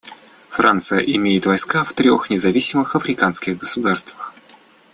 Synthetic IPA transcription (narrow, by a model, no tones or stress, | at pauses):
frʔa̰nt̪sɨjə̰ʔɪmʲejɪt̪vɐjskaft̪ɾʲo̞̰xnʲɪzɐvʲisʲɪmɨxɐfɾʲɪkanskʲɪɣɡəsʊd̪arst̪vəx